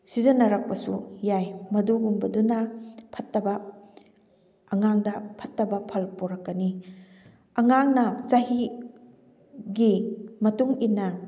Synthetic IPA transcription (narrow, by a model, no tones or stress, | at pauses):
sizɐnɐɾɐk̚pɐsujajmɐduɡumbɐdunɐpʰɐtːɐbɐ | ɐŋaŋdɐpʰɐtːɐbɐpʰɐlpoɾɐkːɐni | ɐŋaŋnɐzɐɦi | ɡimɐtuŋinːɐ